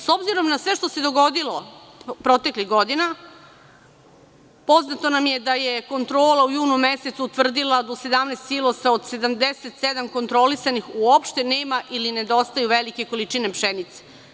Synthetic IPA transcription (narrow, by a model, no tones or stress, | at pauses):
so̞bziɾo̞mnasʋe̞ʃt̪o̞se̞d̪oɡo̞d̪ilo | pɾo̞t̪e̞kliɣɡo̞d̪ina | po̞znat̪o̞namje̞d̪ajeko̞nt̪ɾo̞ːlaujuːnumeset̪suut̪ʋr̩d̪ilˠad̪ose̞d̪amnest̪silˠoseod̪se̞d̪amd̪eset̪sed̪amko̞nt̪ɾo̞lisanixuopʃt̪eneːmaʔiline̞d̪o̞st̪ajuʋelike̞ko̞lit͡ʃine̞pʃenit̪se̥